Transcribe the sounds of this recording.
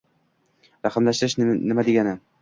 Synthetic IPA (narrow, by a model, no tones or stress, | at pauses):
ɾaχɘmlaʃt̪ɪɾɪʃnɪmad̪eɡʲanɪ